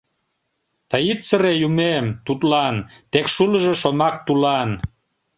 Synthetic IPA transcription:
t̪ɑjit̪səɾejumemt̪ut̪lɑnt̪ekʃuləʒeʃomɑk̚t̪ulɑn

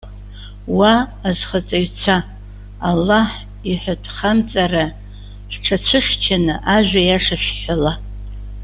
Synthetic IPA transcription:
waːzχat͡sʼaɥt͡sʰaː | lːaħ | iħʷatʰʼχamt͡sʼara | ħʷᶣʈ͡ʂʰat͡ɕʷʰɨʂt͡ʃʰanɨʔaʒᶣʷajaʂaʃᶣħʷala

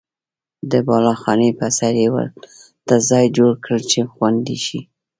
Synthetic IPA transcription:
d̪əbɑlɑxɑnəpasaɾjewə̰l | d̪̥əzɑjd͡ʒoɽkɽəlt͡ʃexwand̪iʃi

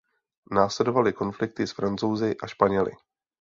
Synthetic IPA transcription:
naːslɛdo̞valɪko̞nflɪk̚t̪ɪsfɾant͡sowzɪʔaʃpaɲɛlɪ̰

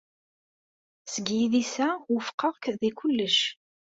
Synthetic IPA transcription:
səɡjiðisæwəfqʰːəʁkðikʊlːəʃ

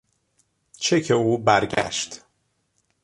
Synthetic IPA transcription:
t͡ʃʰecʰeuːbæɾɟæ̰ʃt̪

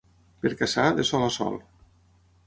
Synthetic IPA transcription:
peɾkasaðesɔlasɔ̰lˠ

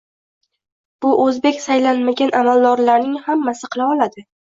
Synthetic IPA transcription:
b̥ʊʔɵzbe̞kʲsajlanmaɡʲanʔamalˠd̪ɒɾlaɾnɪŋhamːasɪqʰɨlˠaɒlad̪ɪ

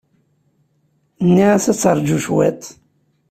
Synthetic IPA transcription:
nːiʕæsæt͡sːɑɾˤd͡ʒuʃwæ̰t̪

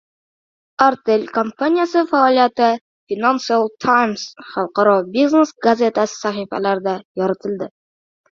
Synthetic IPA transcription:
aɾt̪elʲkompanʲijasəfaolʲijat̪ə | fʲinansɨalˠt̪ʰajmsχɒlˠqɑɾɑbʲiznesɡɐzʲet̪asə̥saχifæ̰læɾd̪æjɒɾɑt̪ɘ̆ld̪ɘ

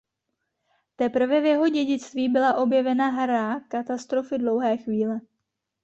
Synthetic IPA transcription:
t̪ɛpr̩vɛvjɛɦo̞ɟɛɟɪt͡st̪viːbɪlaʔo̞bjɛvɛnaɦɾakat̪ast̪ɾo̞fɪdlo̞wɦɛːxviːlɛ

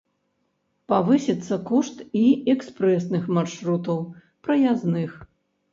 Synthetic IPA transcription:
pavɨsʲit̪sːɐkɔʂt̪iɛkspɾɛsnɨxmarʂɾut̪ɐw | pɾɐjaznɨx

